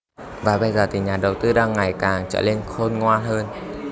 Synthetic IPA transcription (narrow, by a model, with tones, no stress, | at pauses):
vaː˨˩ɓə˧jzəː˨˩t̪ʰi˨˩ɲaː˨˩ɗə˨˩wt̪ɨ˧ɗaː˧ŋːa˨˩jkaː˨˩ŋt͡ɕə̰ː˧˨le˧nxo˧nŋwaː˧nɦəː˧n